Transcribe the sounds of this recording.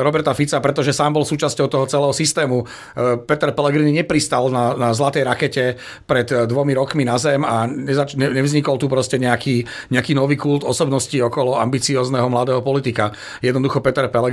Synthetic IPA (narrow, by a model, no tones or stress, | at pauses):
ɾɔbɛɾt̪afit͡sapɾɛt̪ɔʒɛsaːmbɔlsuːt͡ʃascɔʊt̪ɔɦɔt͡sɛlɛːɦɔsist̪ɛːmu | pɛt̪ɛɾpɛlɛɡɾiniɲɛpɾist̪alnanazlat̪ɛjɾakɛcɛ | pɾɛd̪d̪ʋɔmiɾɔkminazɛmaɲɛzat͡ʃɲɛɲɛvzɲikɔlt̪upɾɔscɛɲɛakiː | ɲɛakiːnɔʋiːkult̪ɔsɔbnɔsciɔkɔlɔa̰mbit͡siɔːznɛɦɔmlad̪ɛːɦɔpɔlit̪ika | jɛd̪nɔd̪uxɔpɛt̪ɛɾpɛlɛ